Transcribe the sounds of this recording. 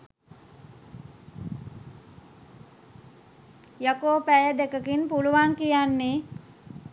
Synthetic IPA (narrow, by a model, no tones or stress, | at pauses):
jəkoːpæjəd̪ekəkinpuluʋaŋkijanːe